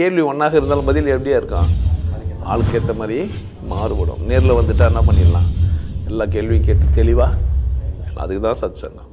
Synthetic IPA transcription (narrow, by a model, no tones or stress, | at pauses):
keːlʋiɔɳːaːɣɪɾɐnd̪aːlʊ̃bɐðɪlɛpːɐɽɪjaːɪɾɯkːãː | a̰ːɭɯkːeːt̪ːɐmaːðɾɪje | maːɾɯʋɐɽõ̰mneːɾɪlɐʋɐnd̪ɯʈːãːɛnːɐpɐɳːɪlãːɛlːaːk̬eːlʋij̃keːʈːɯt̪ɛɭɪʋaː | l̰ɐ̰ðɯkːɯt̪ãːsaːd̪ɪt͡ʃːa̰ːŋɡɐ